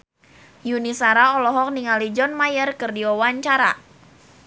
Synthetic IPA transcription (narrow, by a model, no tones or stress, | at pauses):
junisaɾaɔlɔɦɔk̚niŋalid͡ʒɔnmajərkərdiɔwaɲt͡ʃaɾa